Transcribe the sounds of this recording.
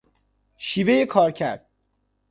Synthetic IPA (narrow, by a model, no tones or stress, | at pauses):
ʃiːve̞jekʰɒːɾcʰæɾd̪̥̚